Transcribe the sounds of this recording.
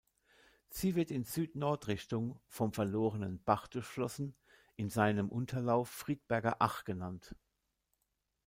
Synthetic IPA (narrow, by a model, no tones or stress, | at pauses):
z̥iːvɪɐtɪnz̥yːtnɔɐtʁɪçtʊŋfɔmfɛɐloːʁənənb̥aχtʊʃlɔsn̩ | ʔɪnzaɪnəmʔʊntʰɐlaʊfːʁ̥iːt̚b̥ɛɐɡɐʔa̰χɡ̥ənant